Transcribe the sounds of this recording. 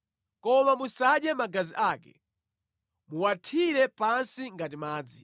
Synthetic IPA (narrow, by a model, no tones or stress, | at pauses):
kɔmamusaɗjɛmaɡaziʔaːkɛ̰ | muwatʰiɾɛpansiŋɡatimaːd͡zi